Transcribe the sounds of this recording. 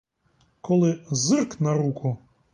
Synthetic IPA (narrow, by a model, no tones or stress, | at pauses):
kɔlˠɪzɪrknɐɾukʰʊ